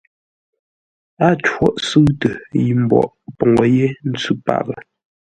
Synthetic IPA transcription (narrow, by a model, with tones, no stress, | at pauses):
a˦twɔ˦ʔsə˦tə˨ji˨m̩˨bɔ̰˨ʔpɔ˨ŋɔ˨je˦n̩˦t͡sʉ˦pa̰˨bə˨